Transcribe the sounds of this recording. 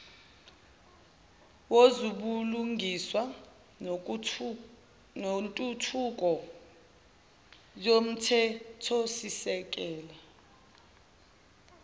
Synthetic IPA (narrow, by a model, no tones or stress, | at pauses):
wozuɓuluŋʱiswa | nontʼutʰuk̬ʼɔ | jom̩tʰɛtʰɔsisɛk̬ʼɛːla